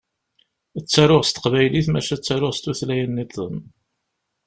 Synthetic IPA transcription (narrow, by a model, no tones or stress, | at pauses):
ət͡sːaɾʊʁst̪ə̥qvæjliθmæʃæt͡sːaɾʊʁst̪uθlæjənːit̪ˤəm